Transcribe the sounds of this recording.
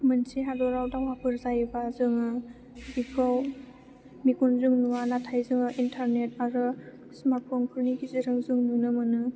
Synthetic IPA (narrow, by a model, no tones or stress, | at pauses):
mɯnsiɦadɔɾawdawapʰɯɾzajbazɯŋɯ | bikʰɔw | mikunzɯŋnuanatʰajzɯŋɯʔintʰaɾnetaɾɯ | smapʰɔŋkʰuɾnikʰizɯɾɯŋzɯŋnunɯmɯnɯ